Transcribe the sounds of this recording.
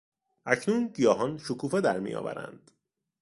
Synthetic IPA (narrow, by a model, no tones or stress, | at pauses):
ʔæcʰnuːnɟijɒːɦɒːnʃokʰuːfe̞d̪æɾmḭjɒ̰ːvæ̰ɾæ̰nd̪̥